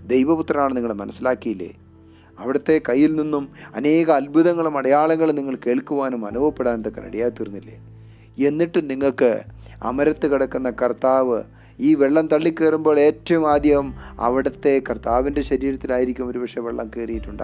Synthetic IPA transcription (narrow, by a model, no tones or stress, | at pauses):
d̪e̞jʋɐput̪rɐnaːɳɨniŋːɐɭmɐnɐsːilaːkːijilːḛː | ɐʋiɽɐt̪ːe̞kɐjːilninːumɐne̞ːɣɐːlbʱuðɐŋːɐɭumɐɽɐjaːɭɐŋːɐɭniŋːɐɭke̞ːɭkuʋaːnumɐnubʋɐpːeɽaːnnðokːɐnɐ̰ɽijaːt̪ːirunːilːḛː | e̞nːiʈːumniŋːɐɭkɨ | ɐ̰mɐɾɐt̪ːɨkiɽɐkːunːɐkɐrt̪aːʋɨ | iːʋeɭːɐmt̪ɐɭːikːeːrumbo̞ːɭe̞ːtːɐɐmaːd̪jɐʋɐmɐ̰ʋiɽɐt̪ːe̞kɐrt̪aːʋindeɕɐɾiːɾɐt̪ːilaːjiɾikʲːumoɾubɐʂeʋeɭːɐ̰mkeːrijiʈːuɳɖɨ̰